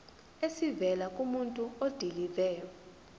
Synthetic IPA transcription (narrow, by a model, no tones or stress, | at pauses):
esivɛlakʼumuntʼuod̥ʱilivɛːjɔ